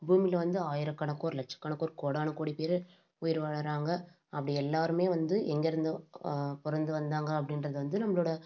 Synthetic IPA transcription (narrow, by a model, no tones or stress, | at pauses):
buːmilɐʋɐnd̪ɯaːjɪɾɐkːaːɳɐkːoːɾlɐʈ̚t͡ʃːɐ̥kːaːnɐkːoːɾkoːɽaːnɐkoːɽipeːɾ | ʊjɪɾʋaːɭɐɾaːŋɡɐ | ɐpːɐɽiɛlːaːɾɯmeːʋɐnd̪ɯʔɛŋɡɛɾɯnd̪ɐpɔɾɐnd̪ɯʋɐnd̪aːŋɡɐːp̬ːɐɽɪnɾɐðɯʋɐnd̪ɯnɐmːɐɭoːɽɐ